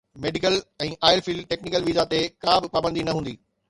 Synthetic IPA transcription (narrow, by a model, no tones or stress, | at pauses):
meːɖɪkəlɛ̃ːʔaːɪɾfiːlɖʈeːknɪkəlʋizat̪ekabɪpaːbə̃nd̪inɐɦũːnd̪iː